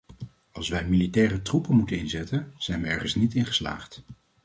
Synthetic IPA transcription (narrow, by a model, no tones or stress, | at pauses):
ɑlˠsʋɛjmilitɛːrətrupənmutənɪnzɛtənz̥ɛjnʋəɛɹχənsnitɪnχə̥sla̰ːχt